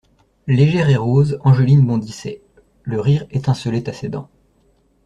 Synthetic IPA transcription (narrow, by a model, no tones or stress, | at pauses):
leʒɛʁeʁozɑ̃ʒəlinbɔ̃d̪isɛ̰ | ləʁiʁɛt̪ɛ̃səlɛt̪ased̪ɑ̃